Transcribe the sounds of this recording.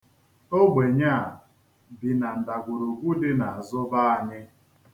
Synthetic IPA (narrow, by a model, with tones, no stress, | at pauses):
o˦ɡ͡be˨ɲa˦˨ | bi˨na˨n̩˨da˨ɡʷu˨ɾu˨kʷu˦dɪ˦na˨a˨zʊ˦ba˦a˨ɲɪ˦